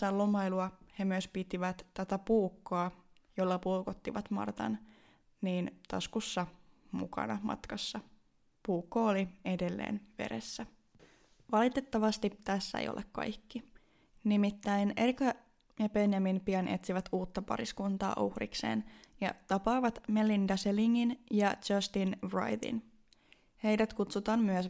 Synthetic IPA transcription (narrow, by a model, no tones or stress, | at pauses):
sɑlːomɑjluɑhe̞myøspit̪iʋæt̪t̪æt̪æpuːkːoː | jo̞lːɑpulkot̪ːiʋɑt̪mɑ̰rt̪ɑ̰n | niːnt̪ɑ̰skusːɑmukɑ̰nɑmɑ̰t̪kɑsːɑ | puːkːoolie̞de̞lːḛːnʋe̞̰ɾesːæ | ʋɑlit̪e̞t̪ːɑʋɑst̪ipt̪æsːæ̰ḛjʔo̰lʔekkːɑ̰jkːi | nimit̪ːæjnerkɑ | jɑbe̞njɑminpiɑnʔe̞̰t̪siʋæt̪uːt̪ːɑpɑ̰ɾiskunt̪ɑ̰ːʔuhrḭkse̞̰ːnjɑ̰t̪ɑpɑːʋɑt̪melːindɑseliŋːinjɑd͡ʒɑst̪inbrɑ̰jðḭn | he̞jdæt̪kut̪sut̪ɑːnmyəs